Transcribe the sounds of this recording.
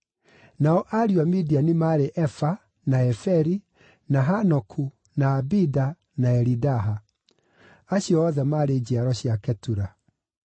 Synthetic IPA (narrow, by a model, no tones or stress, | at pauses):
naɔʔaɾiwamidianimaɾeʔɛfa | naɛfɛɾi | naɦanɔkʰu | naːbida | naɛɾidaɦa | aɕjɔːðɛmaːɾeːd͡ʑiaɾɔɕjakɛtuɾa